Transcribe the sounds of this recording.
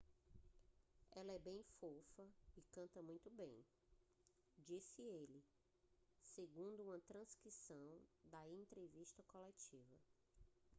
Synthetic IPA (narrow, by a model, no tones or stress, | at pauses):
ɛlɐɛbẽj̃fofɐikɐ̃nt̪ɐmũj̃t̪ʊbḛ̃j̃ | d͡ʒisɪelɪ | seɡũnd̪ʊũmɐt̪ɾɐ̃skɾisɐ̃w̃d̪ɐẽnt̪ɾeviʃt̪ɐkolɛt͡ʃivɐ